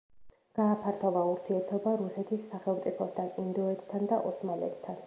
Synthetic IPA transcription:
ɡ̥aːpʰaɾt̪ʰɔvauɾt̪ʰiɛɾt̪ʰɔbaɾusɛt̪ʰisːaχɛlˠmt̪sʼipʰɔst̪ʰanind̪ɔɛt̪ʰt̪ʰːand̪aʔɔsmalɛ̰t̪ʰt̪ʰːan

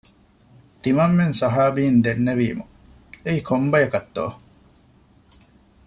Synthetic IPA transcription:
t̪imɐmːensɐɦaːbiːnd̪enːeʋḭːmu | eikʰombɐjɐkɐt̪ːo̰ː

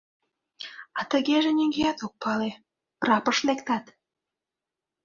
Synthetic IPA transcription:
ɑt̪əɣeʒenʲyŋɡeæt̪ok̚pɑle | prɑpəʃlekt̪ɑt̪

